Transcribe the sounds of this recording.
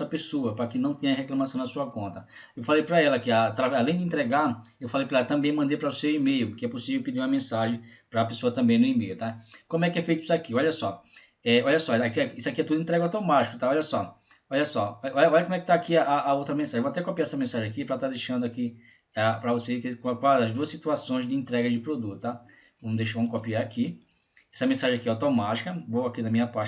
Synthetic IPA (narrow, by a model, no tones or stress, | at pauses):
sɐpesoɐpɾɐkɪnɐ̃w̃t̪ẽɲɐɦeklɐ̃masɐ̃w̃nɐasuɐkõnt̪ɐ | ewfalejpɾɐɛlɐakiat̪ɾavalẽj̃d̪ɪẽt̪ɾɛɡaɾewfalejpɾaɛlɐt̪ɐ̃mbẽj̃mɐ̃d̪epɾɐosewimejʊkɪɛposivewpid̪iɾũɐmẽsaʒẽj̃pɾɐːpesoɐt̪ɐ̃mbẽj̃nʊimejʊt̪akõmʊɛkɪɛfejt̪ʊi̥sʊakiɔʎɐsɔ | ɛɔʎɐsɔakiisʊakiɛt̪ud̪ʊĩt̪ɾɛɡɐawt̪omat͡ʃikʊ̥t̪aɔʎɐsɔ | ɔʎɐsɔɔɔʎɐɔʎɐkomwɛkɪ̥t̪aakiɐʔaʔːowt̪ɾɐmẽsaʒẽvoat̪ɛkopiaɛsɐmẽsaʒẽakipɾat̪ad̪ejʃɐ̃d̪ʊaki | apɾɐvosekekkaɐzd̪uɐsit̪uasõj̃zd͡ʒɪẽnt̪ɾɛɡɐzd͡ʒɪpɾod̪ut̪ʊ̥t̪a | võmd̪eʃvõmʊkopiaɾaki | ɛsɐmẽsaʒẽakiɛawt̪omat͡ʃi̥kɐvoakinɐmĩɲɐpat͡ʃ